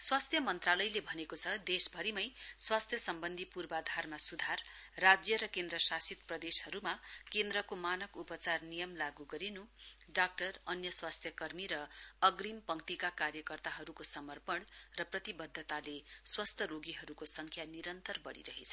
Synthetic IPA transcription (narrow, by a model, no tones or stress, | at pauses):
swast̪ʰjʌmʌnt̪ralʌjlebʱʌnekot͡sʰʌd̪esbʱʌɾimʌjswast̪ʰjʌsʌmbʌnd̪ʱipurbad̪ʱarmasud̪ʱarːad͡zjʌɾʌkend̪rʌsasit̪prʌd̪eshʌɾumakend̪ɾʌkomanʌkupʌt͡sarnijʌmlaɡuɡʌɾinuɖak̚ʈʌrʌnjʌswast̪ʰjʌkʌrmiɾʌʌɡrimpʌŋkt̪ikakarjʌkʌrt̪aɦʌɾukosʌmʌrpʌɳrʌprʌt̪ibʌd̪ʱːʌt̪aleswʌst̪ʰʌɾoɡiɦʌɾukosʌŋkʰjaniɾʌnt̪ʌrbʌ̰ɽḭɾʌɦet͡sʰʌ̥